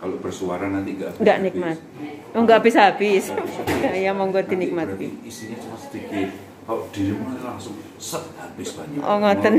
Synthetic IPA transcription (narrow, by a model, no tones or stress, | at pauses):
kalob̥ərsuaɾanant̪iŋɡaʔŋɡaʔnik̚mat̪̚oŋɡaʔbɪsɦab̥ɪs | jamɔŋɡɔd̪inik̚mat̪̚kiisiɲat͡ʃaɾasə̥d̪ikɪt̪̚ | aod̪̥iɾimunant̪ilaŋsʊŋ | səʔhab̥ɪsb̥aɲaʔoŋɔt̪ən